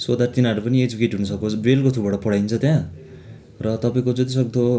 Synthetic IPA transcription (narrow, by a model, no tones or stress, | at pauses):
swod̪art̪inʌɾupʌnied͡zikeʈɦunʌsʌkosbrelkot̪ʰubaɽʌpʌɽajnt͡sʰʌt̪jã | rʌt̪ʌpaĩkod͡zʌt̪is̬ʌk̚d̪o